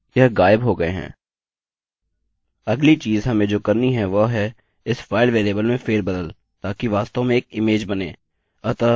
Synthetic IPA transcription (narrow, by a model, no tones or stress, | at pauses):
jɐɦɡaːɪbɦoːɡɐeɦɛ̰̃ː | ɐɡlit͡ʃiːzɦɐmẽd͡ʒoːkɐɾniɦɛ̃ʋɐɦɛ | ɪsfaːɪlʋeːleːbəlmẽfeːɾbɐd̪əl | t̪aːkiʋaːst̪õmẽeːkɪmeːd͡ʒbɐneː | ɐt̪a